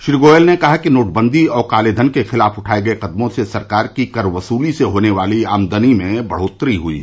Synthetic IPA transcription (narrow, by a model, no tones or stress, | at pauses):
ʃɾiɡoːjəlnekɐɦakinoːʈbə̃nd̪ʱiɔːɾqaːleːd̪ʱənkexɪlaːfʊʈʰaːeɡɐeqɐd̪mõsesɐɾkaːɾkikɐɾʋɐsuːliseɦoːneʋaːliaːmd̪ənimẽbɐɽ̤oːt̪ɾiɦʊḭː